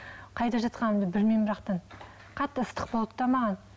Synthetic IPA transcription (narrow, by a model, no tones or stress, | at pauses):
qʰɑjt̪ɑʒɑt̪qɑnmd̪əbɪɾmenbɪɾɑqt̪ɑn | qʰɑt̪ːəəst̪ə̥q̚bo̞lˠəp̚t̪ɑmɑʁɑn